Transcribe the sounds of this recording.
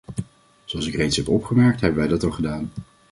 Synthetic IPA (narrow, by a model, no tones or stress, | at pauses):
z̥oɑlˠsɪkrejtsɦɛpɔpχəmɛɹk̚tɦɛbənʋɛjdɑtɑlˠχədaːn